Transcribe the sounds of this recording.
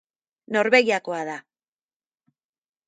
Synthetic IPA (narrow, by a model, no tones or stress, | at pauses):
no̞ɾβe̞ɣiako̞aða